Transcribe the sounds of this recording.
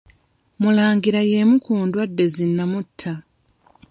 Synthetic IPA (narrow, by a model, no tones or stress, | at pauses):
mulaːŋɡiɾaje̞mukuːndwadːe̞zinːamutʰːa